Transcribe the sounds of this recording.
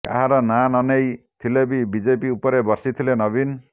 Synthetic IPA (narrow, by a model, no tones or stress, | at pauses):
ka̰ɦaɾɔnanɔnejt̪ʰilebibid͡ʒepiupɔɾebɔɾsit̪ʰilenɔbin